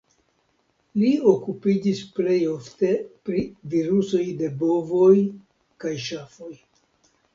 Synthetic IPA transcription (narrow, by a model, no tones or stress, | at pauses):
lio̞kupid͡ʒisple̞jo̞fte̞pɾiviɾuso̞jde̞bo̞voj | kajʃafo̞j